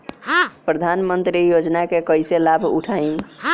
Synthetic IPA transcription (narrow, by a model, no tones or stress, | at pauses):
pɾəd̪ʱanmənt̪ɾijod͡ʒnakekəjselabʱṵʈʰaim